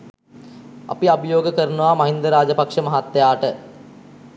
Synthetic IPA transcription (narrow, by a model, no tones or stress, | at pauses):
a̰piabəjoːɡəkəɾnuʋaːmɐɦind̪əɾaːd͡ʒəpakʂəmɐɦat̪ːejaːʈə